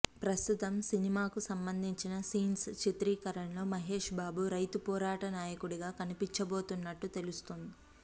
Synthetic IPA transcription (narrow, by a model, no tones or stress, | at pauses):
pɾɐst̪ut̪ɐmsinimaːkusɐmbɐnd̪ʱiɲt͡ʃinɐsiːnst͡ʃit̪ɾiːkɐɾɐɳlo̞ːmɐɦeːʂbaːbuɾɐjt̪upɔːɾaːʈɐnaːjɐkuɽiɡaːkɐnipiɲt͡ʃɐbo̞ːt̪unːɐʈːut̪e̞lust̪ond̪i